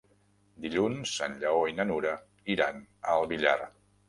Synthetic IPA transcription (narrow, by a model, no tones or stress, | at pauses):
d̪iʎunzənʎəoinənuɾə | iɾanəlˠβiʎa̰r